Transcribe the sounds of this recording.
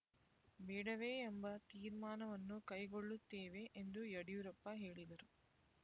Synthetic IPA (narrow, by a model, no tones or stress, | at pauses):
bɛːɽɐʋeːembɐt̪iːɾmaːnɐʋɐnːukɐjɡoɭːut̪ːeːʋe̞ʔend̪ujɐɽijuɾɐpːɐɦe̞ːɭid̪ɐɾu